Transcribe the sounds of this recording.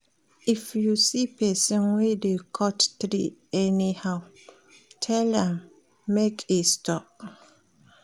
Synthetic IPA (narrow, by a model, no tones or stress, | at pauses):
ʔifjusipʰɛsɔ̃nwidekʰɔttɾḭɛnihaʊ | tʰɛlɛ̃mː | ekʰestʰɔp̚